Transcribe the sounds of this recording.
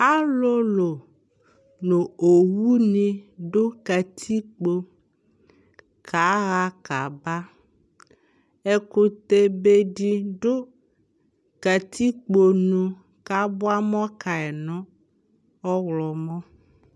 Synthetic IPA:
a˦lo˦lo˨ | nõ˨o˨wu˦nĩ˨ɖo˦ka˨t̪ʰi˦k͡po˨ | kʰa˨˦ɣa˦ka˨ba˦ | e˨ko˨t̪e˨be˨ɖi˨ɖo˦ | ka˨t̪ʰi˦k͡po˨nũ˨ | ka˨˦bʊ˦a˦mɔ̃˦ka˨ɛ˨nɔ̃˦ | ɔ˦wlɔ˨mɔ̃˦

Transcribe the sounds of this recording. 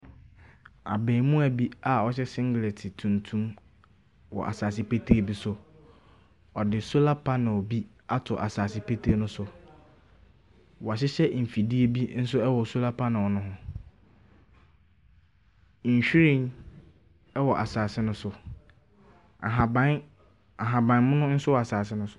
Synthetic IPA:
a̰˨bɛ̃˨mũ˦æ˨bi˦a˨ɔ˦ɕɛ˦sɪ̃˦ŋɡɪ˨le˨tʰɪ˨tʰũ˨ntʰũ˦m | wɔ̰˨ʔa̰˨saː˨s̬ɪ˦pe˦tʰe˦bi˦sʊ˦ | ɔ˨dɪ˨so˦la˦pʰa˦nɪ̃˨ɔ˨bi˦ | a˦tʰʊ˨ʔa˨saː˨sɪ˦pʰe˦tʰe˦nʊ̃˦sʊ˨ | wɔ˨a˨ɕ̬ɪ˦ɕɛ˦m̩˨fi˨di˦e˦bi˦n̩˦sʊ˦ɛ˦wɔ˨so˦la˦pʰa˦nã˨wɔ˨nʊ̃˦ɦʊ̃˦˨ | ɕᶣi˦ɾĩ˦˨n | ɛ˦wɔ˨ʔa˨saː˨sɪ˦nʊ̃˦sʊ˨ | a˨ɦa˨bã˦n | a˨ɦã˨bã˨n˦mʊ̃˦nʊ̃˦n̩˦sʊ˦wɔ˨a˨saː˨sɪ˦nʊ̃˦sʊ˦

